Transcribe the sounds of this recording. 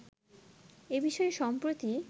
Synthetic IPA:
ebiʃɔeʃɔmpɾot̪i

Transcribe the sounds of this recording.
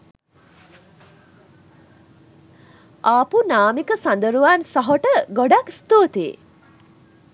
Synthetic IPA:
apunaːmikəsand̪əɾuʋaːnsɐɦoʈəɡoɖakst̪oːt̪ḛː

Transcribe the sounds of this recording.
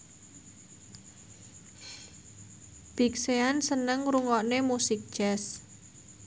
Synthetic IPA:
b̥ikseansənəŋɾuŋɔʔnemusik̚d̥ʒ̥ɛs

